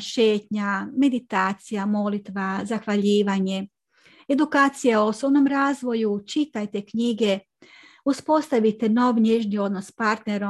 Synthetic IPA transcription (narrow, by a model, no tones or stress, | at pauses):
ʃe̞ːt̪ɲame̞d̪it̪aːt̪sijamo̞lit̪ʋazaxʋaʎiːʋaɲe̞ | e̞d̪ukaːt̪sijaoosobno̞mɾaːzʋo̞jut͡ʃit̪ajt̪e̞kɲiɡe̞ | uspo̞st̪aʋit̪e̞no̞ʋɲeʒnio̞d̪no̞spaɾt̪ne̞ɾo